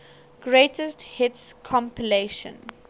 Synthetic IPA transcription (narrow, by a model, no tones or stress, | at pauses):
ɡ̥ɹetəsthɪtskʰɔ̃mpileʃə̰̃n